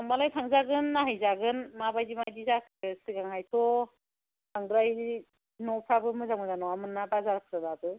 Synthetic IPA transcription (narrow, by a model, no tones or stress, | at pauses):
ambalajtʰaŋzaɡɯnːaɦajzaɡɯnmabajdimajdizakʰɯsɯɡaŋajtʰɔ | tʰaŋɡɾaj | nɔpʰɾabɯmɯzaŋmɯzanɔamɯnːabazaɾak̚ʰzadabɯ